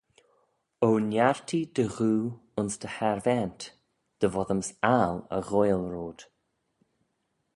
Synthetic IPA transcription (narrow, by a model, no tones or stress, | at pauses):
oːnjaɹt̪ʰid̪̥əɣuːʊnsd̪əhɛɾvɛnt̪ | d̪̥əvɔðəmsalə̰ɣojlɾoːd̪̥